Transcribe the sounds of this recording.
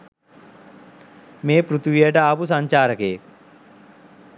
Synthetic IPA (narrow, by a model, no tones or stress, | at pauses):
meːpɾut̪ʋijɐʈɐaːpusɐɲt͡ʃaːɾɐkeː